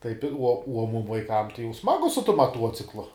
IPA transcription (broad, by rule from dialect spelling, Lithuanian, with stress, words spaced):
tɐɪp ɪr uɔ uɔ mʊm ʋɐɪˈkɐm tɐɪ jɛʊ ˈsmɑːɡʊ sʊ tʊm mɐˈtuɔt͡sʲɪklˠʊ